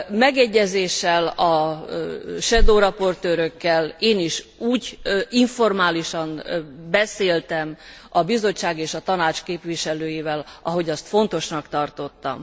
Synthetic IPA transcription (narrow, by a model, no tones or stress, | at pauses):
mɛɡɛɟːɛzeːʃːɛlɒ | ʃɛd̪oːɾɒpo̞rt̪øːɾøkːɛleːniʃuːɟiɱfo̞rmaːliʃɒmbɛseːlt̪ɛm | ɒbizo̞t͡ʃːaːɡeːʃɒt̪ɒnaːt͡ʃkeːpʋiʃɛløːjivɛlɒɦo̞ɟɒst̪fo̞nt̪o̞ʃnɒkt̪ɒrt̪o̞t̪ːɒ̰m